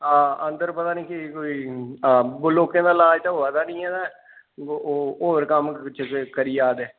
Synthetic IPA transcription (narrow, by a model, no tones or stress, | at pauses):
aːənd̪əɾpət̪aːnĩːkɪkoːiː | bʊloːkẽːd̪aːlaːd͡ʒt̪aoːəd̪aːnĩːɛːd̪aː | oːəɾkəmt͡ʃʰkəɾijaːd̪eː